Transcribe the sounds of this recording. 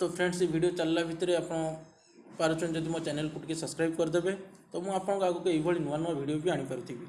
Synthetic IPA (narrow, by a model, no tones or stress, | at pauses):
t̪opʰɾẽɳɖsiʋʱiɽijot͡ʃəlːabʱit̪ɾeapɽ̃õ | paɾut͡ʃund͡ʒəd̪ʱimãt͡ʃɛnelkuʈkesəskɾaib̚kəɾd̪əbet̪omũapəɽ̃kaɡukeʋʱəɭinuʋanʋaʋiɽijobʱiaɽ̃ĩpəɾut̪ʰibi